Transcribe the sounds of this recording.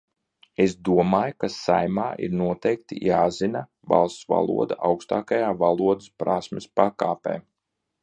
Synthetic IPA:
esd̪uɔmaːjkasajmaːʔḭɾnuɔt̪ɛjk̚t̪ḭjaːzina | va̰lˠst̪sva̰lˠṵɔd̪aʔawkst̪aːkajaːvalˠuɔd̪ɨspɾasmɪspakaːpɛ̰ː

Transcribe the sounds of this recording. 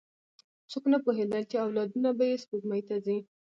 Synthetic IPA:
t͡soknapoɦed̪alt͡ʃeawlɑd̪unabajespoɡmajt̪azi

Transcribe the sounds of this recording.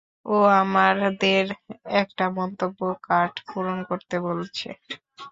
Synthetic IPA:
oamaɾd̪eɾɛkʈamɔnt̪obːokaɾʈpuɾonkoɾt̪ebolt͡ɕʰḛ

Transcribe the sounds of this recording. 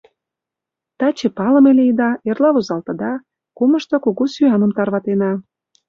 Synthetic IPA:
t̪ɑt͡ɕepɑlə̆meleid̪ɑerlɑβuzɑlt̪ɤ̆d̪ɑ | kumə̆ʃt̪ŏkoɣosyɑnə̆mt̪ɑrβɑt̪enɑ

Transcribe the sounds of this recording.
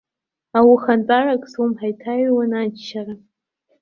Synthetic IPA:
awixantʼarakʼsumħajtʰajwanad͡ʒʃara

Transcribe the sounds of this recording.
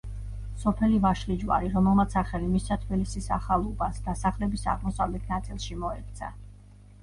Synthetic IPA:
sɔpʰɛlivaʃlid͡ʒwa̰ɾiɾɔmɛlˠmat̪sʰaχɛlimisat̪ʰbilisisa̰χalˠɔbasd̪asaχlɛbisa̰ʁmɔsavlɛt̪ʰnat̪sʼilˠʃimɔɛk̚t̪sʰa

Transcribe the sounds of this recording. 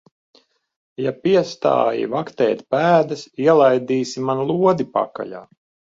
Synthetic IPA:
japiɛst̪a̰ːjḭvakt̪ɛ̰ːt̪pæːd̪ɐsiɛlˠajd̪iːsimanlˠuɔd̪ipa̰ka̰ʎa̰ː

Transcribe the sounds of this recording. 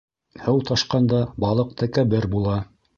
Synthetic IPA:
hɤwt̪ɑʃqɑnd̪ɑbɑlˠɤq̚t̪ɘkæbɘɾbulˠɑ

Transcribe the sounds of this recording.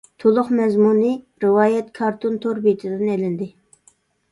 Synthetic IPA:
t̪ʰolˠʊχmɛzmunɨ | ɾɨwɑːjɛt̪kʰɑɾt̪ʰont̪ʰoɾbit̪ʰɪd̪ɪnelɪnd̪ɪ

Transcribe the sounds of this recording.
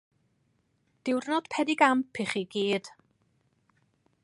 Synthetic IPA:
d̥ɪwrnɔd̥pʰɛdiɡampʰiχiɡiːd̥

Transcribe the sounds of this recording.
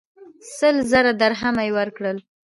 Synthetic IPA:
səlzaɾad̪aɾɦamajwəɾkɽəl

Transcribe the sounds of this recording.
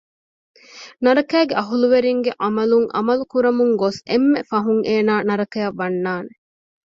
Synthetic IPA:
nɐɾɐkæːɡeʔɐɦuluʋeɾiŋɡeʔɐmɐluŋʔɐ̰mɐlukuɾɐmuŋɡosemːefɐɦuŋʔeːnaːnɐɾɐkɐjɐʋːɐnːaːne

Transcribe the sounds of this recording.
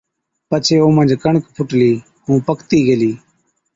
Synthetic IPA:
pət͡ʃʰeːõːmənd͡ʒkəɳkpʰʊʈliː | hũːpəkt̪iːɡəliː

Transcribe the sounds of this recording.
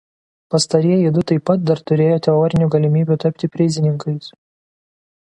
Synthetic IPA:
pɐst̪ɐɾʲiɛjid̪ʊt̪ɐɪpːɐt̪̚d̪ɐɾt̪ʊɾʲeːjoːt̪ʲɛɔːɾʲɪnʲuːɡɐlʲɪmʲiːbʲuːt̪ɐpʲt̪ʲɪpʲɾʲɪzʲɪnʲɪŋkɐɪs

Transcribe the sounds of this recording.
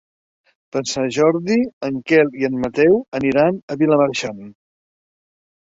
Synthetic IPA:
pəsaʒɔɾðiəŋkɛliənmət̪ɛwəniɾanəβiləməɾʃan

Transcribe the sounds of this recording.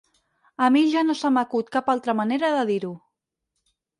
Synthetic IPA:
əmiʒanosaməkut̪kapalˠt̪ɾəməneɾəðəðiɾu

